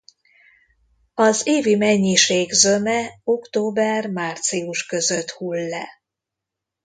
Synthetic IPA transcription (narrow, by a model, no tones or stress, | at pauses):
ɒzeːvimɛɲːiʃeːɡzømɛokt̪oːbɛrmaːrt̪siuʃkø̞zøt̪hulːɛ